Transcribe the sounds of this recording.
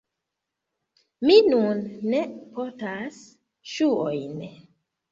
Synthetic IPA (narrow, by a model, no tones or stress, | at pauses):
minunːepotas | ʃuojn